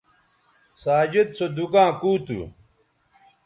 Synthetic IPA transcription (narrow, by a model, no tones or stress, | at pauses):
saːd͡ʑet̪sod̪ukãːkuːt̪ṵ